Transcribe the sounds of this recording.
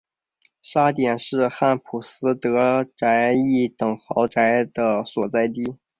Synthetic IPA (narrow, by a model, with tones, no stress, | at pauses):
ʂa˥t̪jɛ˨˩nʂɻ̩˥˧xa˥˩npʰu˨˩sɹ̩˥t̪ɤ˧˥ʈ͡ʂa˧˥ɪi˥˩t̪ɤ˨˩ŋxɑ˧˥ʊʈ͡ʂa˧˥ɪd̪ə˧swɔ˨˩t͡sa˥˩ɪt̪̬i˥˩